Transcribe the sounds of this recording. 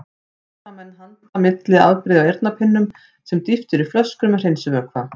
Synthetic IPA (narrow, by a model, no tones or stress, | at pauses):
amɛnːɦanː | amɪt̪lɪða̰ðpɾɪːðawejɾt̪napʰɪnːʏm | sɛmt̪ift̪ʏɾʏflœskɾʏmɛr̥ejnsʏvœɾkʰva